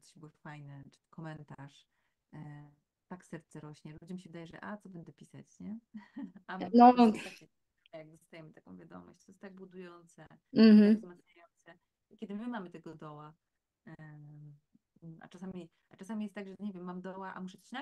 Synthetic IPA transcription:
t̪ɔ̥ɕbuwfajnɛt͡ʂkʰɔmɛnt̪aʂ | t̪aksɛɾt̪sɛɾɔɕɲɛlud͡ʑɛmʲiɕ̬ɛvɘd̪ajɛʐɛ̰ʔat̪sɔbɛnd̪ɛpʲisa̰t͡ɕɲɛ | anɔakɛ | jaɡ̚d̪ɔst̪ajɛmɘt̪akɔ̰̃w̃vʲjad̪ɔ̰mɔ̰ɕt͡ɕt̪ɔjɛst̪aɡ̚bud̪ujɔnt̪sɛ | maɡzmat̪sɲajɔnt̪sɛ | kʲɛd̪ɘmɘmamɘt̪ɛɡɔd̪ɔwa | ʔa̰t͡ʂasamʲi | aʈ͡ʂasamʲijɛst̪aɡʐɛɲevʲjɛmːamd̪ɔwaʔa̰muʂɛt͡ɕi̥ɕna

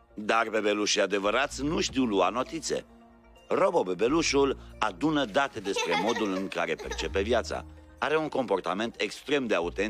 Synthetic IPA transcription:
d̪arbe̞be̞luʃiad̪e̞vəɾat̪sʲnuʃt̪iwluano̞t̪it̪sḛ | ro̞bo̞be̞be̞luʃulad̪unəd̪at̪e̞d̪e̞spɾe̞mo̞d̪ulɨŋkaɾe̞pe̞̰rt͡ʃe̞pe̞vjat̪sa̰ | aɾe̞uŋko̞mpo̞rt̪ame̞nt̪ekst̪ɾe̞md̪e̞aut̪en

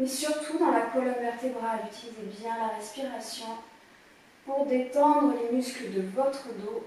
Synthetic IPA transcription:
mɛsyʁt̪ʰud̪ɑ̃lakɔlɔmvɛʁt̪ebʁalyt̪ilizebjɛ̃laʁɛspiʁasjɔ̃ | puʁd̪et̪ɑ̃d̪ʁəlemyskləd̪əvɔt̪χəd̪o

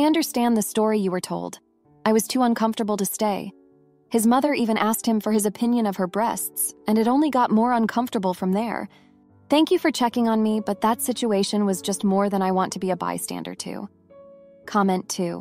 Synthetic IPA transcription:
aɪʌ̃ndə˞stæ̃nðɨstɔɹijɨwə˞tʰoʊlˠd | aɪwʌz̥tʰuʌ̃nkʰʌ̃ɱftə˞bl̩ˠtɨsteɪ | ɨzmʌðə˞ʔivɨ̃ñʔæskt̚hɨ̃ɱfə˞ɨzɨpʰɪ̃njɨ̃nʌv̥ə˞bɹɛ̰stsɨ̃nɨɾõʊ̃nliɡɑt̚mɔɹʌ̃nkʰʌ̃ɱftə˞bl̩ˠfɹʌ̃mðə̰˞ | θæ̃ŋkjɨfə˞t͡ʃʰɛkɪ̃ŋə̃nmibʌt̪̚ðətsɪt͡ʃueɪʃɨ̃nwʌzd͡ʒʌstmɔɹðɨ̃ɾ̃aɪwɑ̃ntʰɨbiɨba̰ɪstæ̰̃ndə̰˞d̚tʰʉ̰ | kʰɑmɛ̃ntʰʉ̰

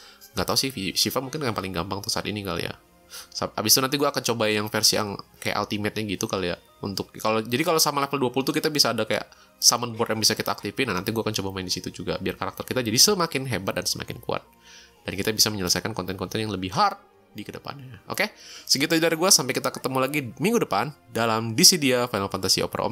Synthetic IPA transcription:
ŋɡat̪ausɪhiʃifamuŋkɪnkajapalɪŋɡambaŋt̪ʊsa̰t̪ḭnika̰l̰ja̰ | saa̰bist̪unant̪iɡuaːkant͡ʃobajaŋfɛrsia̰ŋkaja̰ʔa̰lt̪imɛt̪̚ɲaɡit̪ukalja̰ | ṵnt̪ʊk̚kalod͡ʒadikalosamalɛfəlduapulut̪ukit̪abisaːdakaja̰ʔ | samənbɔrtjaŋbisakit̪aːk̚t̪ifinanant̪iɡuaːkant͡ʃobamaɪndisit̪ud͡ʒuɡa̰biarkaɾak̚t̪ərkit̪ad͡ʒadisəmakɪnɦebat̪̚dansəmʔa̰kɪnkṵa̰t̪̚ | d̥ankit̪abisaməɲələsajkankɔnt̪ɛnkɔnt̪ɛnjaŋləbɪhɦar | dikədəpa̰nɲaʔo̰kesəɡit̪ad͡ʒdaɾiɡuasampejkit̪akə̥t̪əmulaɡimiŋɡudəpandalamdisidiafajnalfant̪asḭo̰pəɾʔɔ̰m

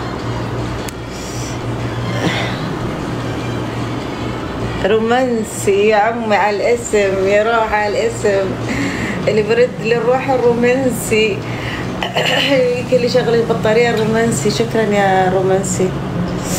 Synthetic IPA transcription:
ɾˤumansijaʕamːiʕalʔɪsɪmjaɾˤuːħaalʔɪsm | ʔɪlːibɾˤɪd̪ːlɪrˤːuːħɪrːumansi | jkɪlːiʃaɣlakbɨt̪ˤːɑɾiːʔɑrˤːumansiʃakɾanjaɾˤumansi

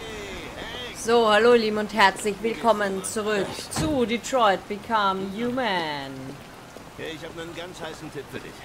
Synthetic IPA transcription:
z̥oːhaloːliːbm̩ʊnthɛɐt͡slɪçv̥ɪlkʰɔmənt͡suʁʏkt͡sudɪtʁ̥ɔʏt̚b̥ɪkʰamjuːmən | heçævnənɡãnshaɪsn̩tʰɪt̚fədḭ

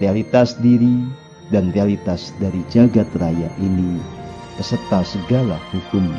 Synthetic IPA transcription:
realit̪asdiɾi | danrealit̪asdaɾid͡ʒaɡat̪rajaʔini | pəsət̪asəɡalahukʊm

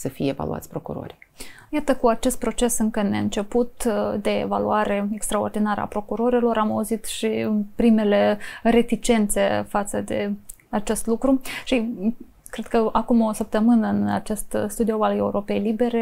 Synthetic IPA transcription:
səfijeeva̰lṵa̰sʲpɾokṵɾo̞̰ɾi | jat̪əkuat͡ʃe̞st̪̚pɾo̞t͡ʃe̞sɨŋkəneɨnt͡ʃe̞put̪d̪e̞ḛva̰luaɾe̞ekst̪ɾao̞rd̪inaɾə̰a̰pɾo̞kuɾo̞ɾelo̞ɾamauzit̪ʃipɾime̞le̞ɾe̞t̪it͡ʃe̞nt̪se̞fat̪səd̪e̞ | at͡ʃe̞st̪lukɾuʃi | kɾe̞d̪̚kəakumo̞səp̚t̪əmɨnəɨnat͡ʃe̞st̪st̪ud̪ioale̞uɾo̞pe̞jlibe̞ɾe̞

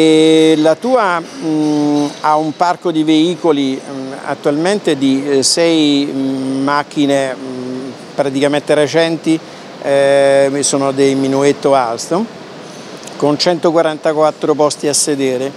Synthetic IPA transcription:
elat̪uːa | aumparkod̪iveiːkolia̰t̪ːualment̪ed̪isɛj | mak̟ːine | pɾat̪ikament̪eɾet͡ʃɛnt̪i | soːnod̪ejminuet̪ːoalt̪o | kont͡ʃɛnt̪okwaɾant̪akwat̪ːɾopɔst̪iasːed̪eːɾe

